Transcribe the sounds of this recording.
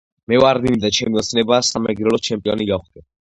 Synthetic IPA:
mɛvaɾd̪inid̪at͡ʃʰɛmiɔt̪sʰnɛbaːsamɛɡɾɛlɔt͡ʃʰɛmpʼiɔniɡaχd̪ʼɛ

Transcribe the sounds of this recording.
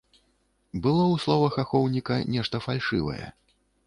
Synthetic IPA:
bɨlˠɔwslˠɔvɐxaxɔwnʲikɐnʲɛʂt̪ɐfalʲʂɨ̰vɐ̰jɛ̰

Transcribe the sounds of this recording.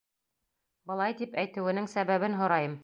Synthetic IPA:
bɤ̆lˠɑjt̪ipæjt̪ɘ̆wɘ̆nɘŋsæβæβɘnɦŏɾɑjɤm

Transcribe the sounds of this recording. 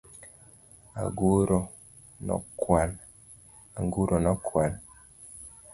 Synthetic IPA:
a̰ɡuɾɔ | nɔ̰kwan | aŋɡuɾʔɔnɔkʰwal

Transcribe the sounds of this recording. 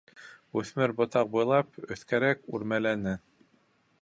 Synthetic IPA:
ʉθmɘɾbŏt̪ɑq̚bujlˠɑpɵ̆θkæɾækʉɾmælænɘ

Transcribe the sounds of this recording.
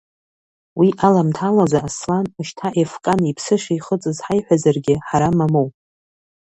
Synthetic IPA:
wiʔalamtʰalazaːslanɨʃtʰaʔefkʼanipʰsɨʃajχət͡sʼɨzħajħʷᶣazarɡʲɪħaɾamamowpʼ

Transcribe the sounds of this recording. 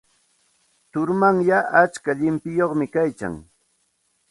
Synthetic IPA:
t̪ʊɾmaŋjaʔat͡ʃkaʎɪmpɪjoχmɪkajka̰ŋ

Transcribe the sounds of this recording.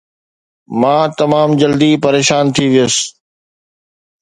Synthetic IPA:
mãːt̪ɐmaːmd͡ʑɐld̪ipɐɾeːʃaːnt̪ʰiʋɪjəs

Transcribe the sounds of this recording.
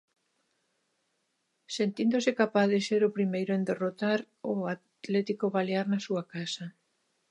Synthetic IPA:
sent̪ind̪osɪkapaθðɪseɾʊpɾimejɾʊend̪erot̪aɾ | ʊat̪lɛt̪ikoβaleaɾnasuakasɐ

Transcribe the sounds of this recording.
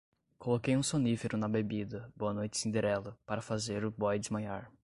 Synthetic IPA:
kolokejũsõnifeɾʊnɐbebid̪ɐboɐnojt͡ʃɪ̥sĩd̪eɾɛlɐpaɾɐfazeɾʊbɔjd͡ʒɪmãjaɾ

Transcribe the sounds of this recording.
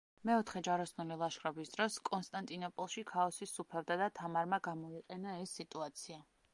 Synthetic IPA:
mɛɔt̪ʰχɛd͡ʒaɾɔsnulilˠaʃχɾɔbisd̪ɾɔskʼɔnst̪ʼant̪ʼinɔpʼɔlˠʃikʰaɔsisːupʰɛvd̪ad̪at̪ʰamaɾmaɡamɔiqʼɛnaɛsːit̪ʼuat̪sʰia

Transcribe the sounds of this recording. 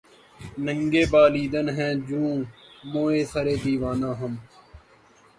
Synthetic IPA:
nəŋɡeːbaːliːd̪ənɦɛ̃ːd͡ʒũːmoːeːsəɾeːd̪iːʋãːnãːɦəm

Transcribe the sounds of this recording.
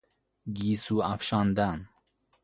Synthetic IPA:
ɡiːsuːafʃɑːnd̪an

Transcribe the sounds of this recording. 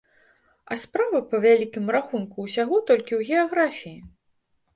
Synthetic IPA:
ɐspɾavɐpɐvʲalʲikʲimraxunkuːsʲaɣɔt̪ɔlʲkʲiwɣʲɛaɣɾafʲiji

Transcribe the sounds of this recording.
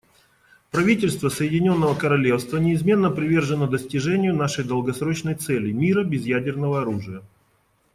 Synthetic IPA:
pɾɐvʲitʲɪlʲst̪vəsəjɪdʲɪnʲo̞nːəvəkəɾɐlʲe̞fst̪vənʲɪɪzmʲe̞nːəpɾʲɪvʲe̞rʐɨnəd̪əsʲtʲɪʐɛnʲɪjʊnaʂəjd̪əlˠɡɐsɾo̞t͡ɕnəjt̪s̪ɛlʲɪmʲiɾəbʲɪzjædʲɪrnəvəɐɾuʐɨjə

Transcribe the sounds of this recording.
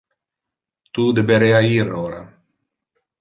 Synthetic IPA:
t̪ud̪ebeɾeaiɾoɾa

